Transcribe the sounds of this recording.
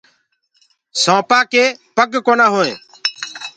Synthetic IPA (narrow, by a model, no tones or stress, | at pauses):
sõːpaːkeːpəɡkoːnaːɦõːḛ̃ː